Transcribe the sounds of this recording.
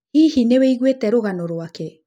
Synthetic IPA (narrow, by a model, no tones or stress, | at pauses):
ihineweiɣwetɛɾoɣanoɾwakɛ